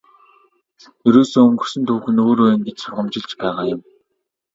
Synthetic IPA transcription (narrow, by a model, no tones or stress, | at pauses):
eɾoːsoːɵŋɡɵ̆sɵ̆nt̪ʰuːxɘ̆noːɾoːj̆ŋɡet͡ɕsʊrʁə̆mt͡ɕɪ̆ɮt͡ɕpæːʁaːjʊ̆m